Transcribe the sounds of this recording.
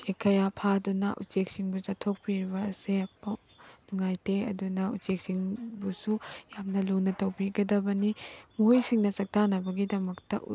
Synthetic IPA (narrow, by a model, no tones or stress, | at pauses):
sekʰːɐjapʰadunɐ̰ʔṵt͡ʃek̚siŋbuzatʰok̚piɾibɐːsepɐ | nuŋajteɐ̰dunɐṵt͡ʃek̚siŋbusujamnɐlunɐtɐwbiɡɐdɐbɐnimujsiŋnɐt͡ʃɐk̚tanɐbɐɡidɐmɐktɐ̰ʔ